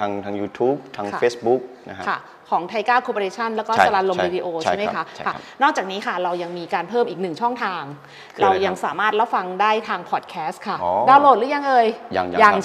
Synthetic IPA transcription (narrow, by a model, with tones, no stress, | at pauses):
aː˧ŋt̪ʰaː˧ŋjuː˧t̪ʰuː˦˥p̚t̪ʰaː˧ŋʰa˥˩feː˦˥sbu˦˥k̚n˦kʰa̰˥˩ | kʰɔː˩˦ŋt̪ʰa˧jkaː˥˩wkʰo˧pʰːɾeː˧t͡ɕʰa˥˩nlɛː˦˥wkɔː˥˩sa˧la˧t̪̚lo˧mwiː˧diː˧ʔoː˧t͡ɕʰa˥˩ma˦kʰa˦˥kʰa˥˩nɔː˥˩k̚t͡ɕaː˨˩k̚niː˦˥kʰa˥˩ɾa˧wja˧ŋmiː˧kaː˧npʰɤː˥˩mʔiː˨˩k̚nɯ˨˩ŋt͡ɕʰɔ˥˩ŋt̪ʰaː˧ŋ | kʰɾa˧wja˧ŋsaː˩˦maː˥˩t̪̚ɾa˦˥fa˧ŋdaː˥˩jt̪ʰaː˧ŋpʰɔː˨˩t̪̚kʰɛː˦˥st̪̚kʰa˥˩daː˧˩wloː˥˩t̪̚ɾɯ˦˥ja˦˥ŋʔɤː˧ja̰˧ŋ˧ja˧ŋ